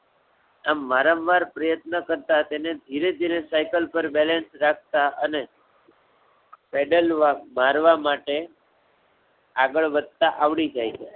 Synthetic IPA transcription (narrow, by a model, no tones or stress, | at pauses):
amːaɾamʋaɾpɾəjət̪nəkəɾt̪at̪ened̪ʱiɾed̪ʱiɾesajkəlpəɾbɛlensɾak̚ʰt̪aʔəne | pɛɖəlʋamaɾʋamaʈe | aɡəɭʋəd̪̚t̪aʔaʋɭid͡ʒajt͡ʃʰe